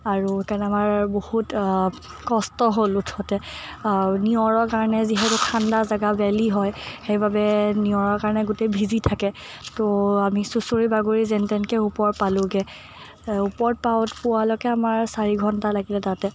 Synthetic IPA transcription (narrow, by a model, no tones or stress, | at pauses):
aɹukanɛamaɹbohut | kɔstɔɦolutʰɔtɛ | niɔɹɔɹkaɹɔnɛziɦɛtʊkʰandazaɡabɛliɦɔjxejbabɛniɔɹɔɹkaɹnɛɡʊtebʱizitʰakɛ | toamisusoɹibaɡoɹizɛntɛnkɛupɔɹt̚palʊ̃ɡɛ | upɔɹt̚paʊtpʊwalɔkɛamaɹsaɹiɡʱɔntalaɡilɛtatɛ